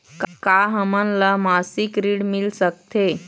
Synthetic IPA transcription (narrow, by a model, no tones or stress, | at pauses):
kkaɦəmənləmasikɾiɽmilsək̚t̪e